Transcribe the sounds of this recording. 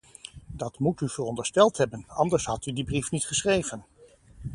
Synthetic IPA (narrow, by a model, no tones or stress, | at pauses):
dɑtmutyv̥ərɔndəɹstɛlˠtɦɛbənɑndəɹsɦɑtydibrifnitχəsχrejvən